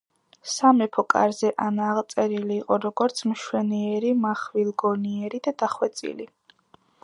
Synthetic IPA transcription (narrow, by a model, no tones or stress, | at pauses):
samɛpʰɔkʼa̰ɾzɛʔanaʁt̪sʼɛɾiliːqʼɔɾɔɡɔɾt̪sʰmʃwɛniɛɾimaχvilˠɡɔniɛɾid̪ad̪̥aχwɛt̪sʼḭli